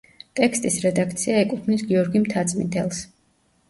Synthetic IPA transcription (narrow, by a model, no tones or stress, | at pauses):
t̪ʼɛkst̪ʼisɾɛd̪ak̚ʰt̪sʰiaɛkʼut̪ʰnisɡiɔɾɡimt̪ʰat̪sʼmḭd̪ɛlˠs